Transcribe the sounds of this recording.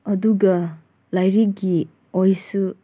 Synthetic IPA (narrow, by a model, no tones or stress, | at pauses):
ɐduɡɐ | lajɾik̚ɡi | ojsu